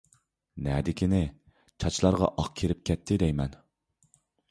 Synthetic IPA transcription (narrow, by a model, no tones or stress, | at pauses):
nɛd̪ɪkʲinɪ | t͡ʃʰɑt͡ʃlˠɑɾʁɑ̰ʔɑq̚kʲʰeɾɪp̚kʲʰɛt̪ʰːɪd̪ɛjmɛn